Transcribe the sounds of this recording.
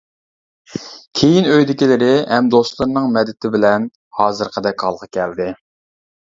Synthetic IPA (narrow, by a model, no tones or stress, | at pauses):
kʲʰejinøjd̪ɪkʲilɪɾɪhɛmd̪ost̪lˠɨɾɨnɨŋmɛd̪ːɪt̪ʰɪbɪlɛn | hɑːzɨɾqʰəd̪ɛkʲʰɑlˠqʰɑkʲʰɛld̪ɪ